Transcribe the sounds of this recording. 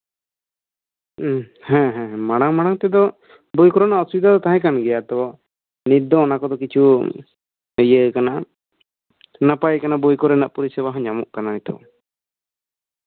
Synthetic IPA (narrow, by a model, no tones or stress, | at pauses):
hɛ̃ɦɛ̃ɦɛ̃maɽaŋmaɽaŋt̪ɛd̪ɔ | bujkɔɾɔnaʔɔsubid̪ʱad̪ɔt̪aɦɛ̃kanɡɛjat̪ɛbɔ | nid̪ɔːnakɔd̪ɔkit͡ʃʰu | ɦəjəkana | napajəkanabujkɔɾɛnaʔpɔɾisɛbaɦɔ̃ɲamuʔkananit̪ɔ̰w